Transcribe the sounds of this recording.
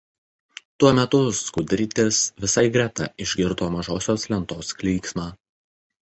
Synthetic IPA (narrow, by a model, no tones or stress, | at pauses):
t̪uɔmʲɛt̪ʊskʊd̪ʲɾʲɪt̪ʲɪsʋʲɪsɐɪɡɾʲɛt̪ɑ̰ʔɪʒʲɡʲɪɾt̪oːmɐʒoːsʲoːslʲɛnt̪oːsklʲiːksmɑː